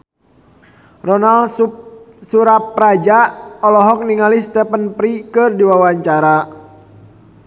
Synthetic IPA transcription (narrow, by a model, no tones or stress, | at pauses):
rɔnal | suɾapːɾad͡ʒaɔlɔɦɔk̚niŋalist̪ɛpənpɾikɨrdiwawaɲt͡ʃaɾa